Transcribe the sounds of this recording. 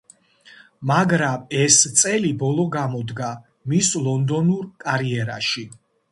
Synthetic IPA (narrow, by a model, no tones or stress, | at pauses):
maɡɾamɛst̪sʼɛlibɔlˠɔɡamɔd̪ɡa | mislˠɔnd̪ɔnuɾkʼaɾiɛɾa̰ʃi